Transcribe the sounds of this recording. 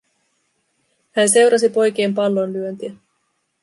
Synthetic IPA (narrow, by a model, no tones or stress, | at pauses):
hænse̞wɾɑs̬ipo̞jk̟e̞ːmpɑlːonlyønt̪iæ